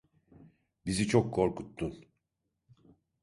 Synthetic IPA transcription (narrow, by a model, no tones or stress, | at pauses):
bizit͡ʃʰokʰːo̞ɾkut̪ːun